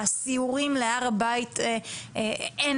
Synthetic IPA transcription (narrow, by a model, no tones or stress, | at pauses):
asiuʁimleaʁabaite | en